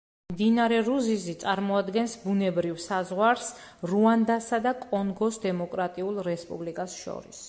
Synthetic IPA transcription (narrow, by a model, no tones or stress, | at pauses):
md̪inaɾɛɾuzizit̪sʼaɾmɔad̪ɡɛnsbunɛbɾivsazʁwaɾsɾuand̪asad̪akʼɔŋɡɔsd̪ɛmɔkʼɾat̪ʼiulˠɾɛspʼṵblikʼasʃɔ̰ɾis